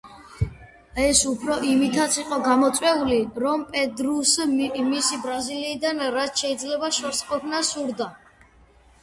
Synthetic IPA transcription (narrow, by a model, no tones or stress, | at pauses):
ɛsupʰɾɔʔimit̪ʰat̪sʰiqʼɔɡamɔt̪sʼwɛuliɾɔmpʼɛd̪ɾusmisibɾaziliːd̪anɾat̪ʰʃɛid̪zlɛbaʃɔɾsqʼɔpʰnasuɾd̪a